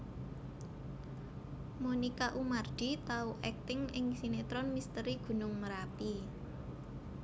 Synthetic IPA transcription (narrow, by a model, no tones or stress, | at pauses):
monikaʔumard̪̥i̤t̪auʔɛk̚t̪ɪŋɪŋsinet̪ɾɔnmist̪əɾiɡ̥ṳnʊŋməɾapi